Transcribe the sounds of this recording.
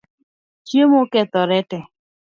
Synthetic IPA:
t͡ʃjemokɛt̪ɔɾɛtɛ

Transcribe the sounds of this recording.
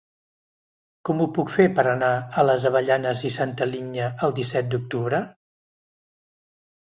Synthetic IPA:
kɔmupukfepəɾənaələzəβəʎanəzisant̪əliɲəəlˠd̪isɛt̪̚d̪uk̚t̪uβ̞ɾə

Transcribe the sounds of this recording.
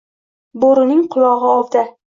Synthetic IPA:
boɾɪnɪŋqʰʊlˠɒʁɨɒld̪a

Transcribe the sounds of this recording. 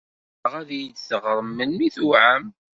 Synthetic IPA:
ʁæðjət͡szəʁɾˤəmːənmiθuʕəm

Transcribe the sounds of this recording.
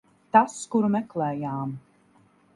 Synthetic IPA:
t̪askuɾmɛklɛːjaːm

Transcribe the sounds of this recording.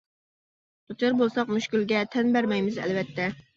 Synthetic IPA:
t̪ut͡ʃʰɑɾbolˠsɑqmuʃkʲylɡʲɛt̪ʰɛnbæɾmɛjmɪzɛ̰lvɛt̪ʰːɛ

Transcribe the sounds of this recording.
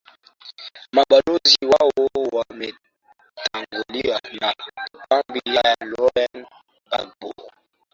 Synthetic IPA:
maɓaloziwawowamɛ | taŋɡolianapambijajalɔɾɛn | a̰lbo̰

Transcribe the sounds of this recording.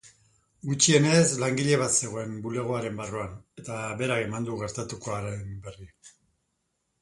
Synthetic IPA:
ɡut͡ʃie̞ne̞zlaŋɡiʎe̞β̞at̪se̞ɣ̞oe̞mbule̞ɣ̞o̞aɾe̞mbaruane̞t̪aβe̞ɾakemand̪uɣe̞ɾt̪at̪uko̞aɾembe̞ri

